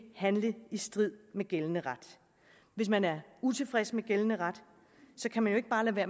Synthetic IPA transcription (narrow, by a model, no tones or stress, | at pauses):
hænləisd̥ʁið̞̰ˠmeɡ̥elənəʁɑd̥ | ʋe̝smænæɐut͡sʰe̝fʁɛsmeɡ̥elənəʁad̥ | sɒ̽kʰæmænjoe̝ɡ̥əb̥ɑ̈ːlæʋæɐ̰